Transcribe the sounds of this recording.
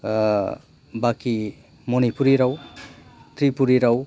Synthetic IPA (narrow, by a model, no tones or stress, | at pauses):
baki | monipuɾiɾʌw | t̪ɾipuɾiɾaw